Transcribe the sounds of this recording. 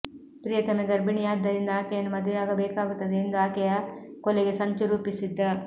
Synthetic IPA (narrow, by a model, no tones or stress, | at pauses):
pɾijɐt̪ɐmeɡɐɾbiɳijaːd̪ːɐɾind̪ɐaːkɐjɐnumɐd̪ʱʋejaːɡɐbeːkaːɡut̪ːɐd̪eind̪ɐaːkɐjɐkoleɡesɐɲt͡ʃɐɾuːpisid̪ːɐ